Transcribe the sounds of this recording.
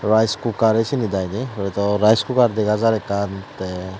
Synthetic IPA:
ɹajskukaɾejsinid̪ajnibɾɛt̪ɔɾajskukaɾd̪ɛɡazaɾɛkant̪ɛ

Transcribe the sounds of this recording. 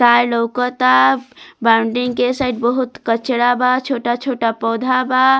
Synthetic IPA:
sajləʊkət̪abaʊɳɖiŋkesajɖbəɦut̪kət͡ʃɽabat͡ʃʰoʈat͡ʃʰoʈapɔwd̪ʱaba

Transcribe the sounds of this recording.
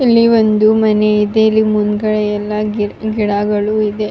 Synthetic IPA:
ilːiʋond̪umɐneid̪eilːimund̪ɡɐɭɛjɛlːɐɡiɽaɡɐɭuid̪e̞

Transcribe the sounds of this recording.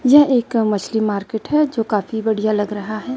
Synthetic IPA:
jɐeːkmɐt͡ʃʰlimaːɾkeːʈɦɛd͡ʒoːkaːfibɐɽ̤ijalɐɡɾɐɦaɦɛː

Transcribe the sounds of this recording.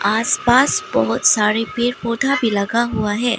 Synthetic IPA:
aːspaːsbɔɦʊt̪saːɾepeːɾpoːd̪ʱabʱilɐɡaɦuaɦɛː

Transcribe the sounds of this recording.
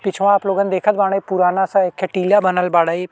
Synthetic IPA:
pɪt͡ʃʰʋãaːploːɡənd̪eːkʰət̪̚baːɽ̃eːpʊɾaːnasakʰɛʈiːljaːbənəlbaːɽaiː

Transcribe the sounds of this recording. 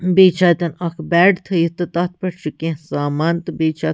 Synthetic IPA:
beːt͡ʃʰaːt̪ɐnɐkʰbɛːɽt̪ʰɐit̪ɨt̪ɐt̪̚ʰpɐʈt͡ʃʰukẽsaːmaːnt̪ɨbeːt͡ʃʰaː

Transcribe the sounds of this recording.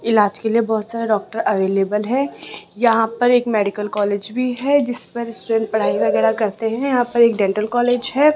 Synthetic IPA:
ɪlaːd͡ʒkeliebɔɦʊt̪saːɾeɖɔːk̚ʈəɾʔɐʋeːleːbəlɦɛ̃jɐɦãpɐɾeːkmɛːɖɪkəlkɔːleːd͡ʒbʱiɦɛd͡ʒɪspɐɾɪsʈuɖɛ̃ːɳʈ̚pɐɽ̤aːiʋɐɣɛːɾakɐɾt̪eɦɛ̃jɐɦãpɐɾeːk̚ɖɛ̃ːɳʈəlkɔːleːd͡ʒɦɛː

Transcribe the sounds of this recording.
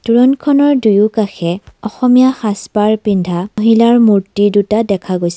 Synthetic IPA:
tuɹɔnkʰɔnɔɹdujʊkaxɛɔxɔmijaxaspaɹpindʱaɦilaɹmuɹtidutadɛkʰaɡojsɛ

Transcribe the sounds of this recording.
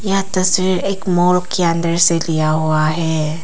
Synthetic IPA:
jat̪ɐsʋiːɾeːkmoːɭkkːeə̃nd̪əɾselijaɦuaɦɛː

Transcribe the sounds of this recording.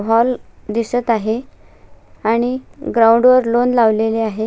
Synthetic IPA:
ɦɔld̪isət̪aɦe | aɽ̃iɡɾauɳɖʋəɾlonlaʋleleaɦe

